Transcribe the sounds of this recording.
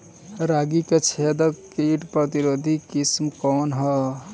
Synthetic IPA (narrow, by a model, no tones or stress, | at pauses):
ɾaɡiket͡ʃʰed̪əkiʈpɾət̪iɾod̪ʱikismkɔnɦə